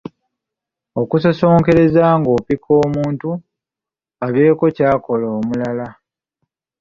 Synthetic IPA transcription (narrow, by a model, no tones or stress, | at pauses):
o̞kusaso̞ːŋke̞ɾe̞zaːŋɡo̞ːpikʰo̞ːmuːntu | aβe̞ːko̞caːko̞loːmulala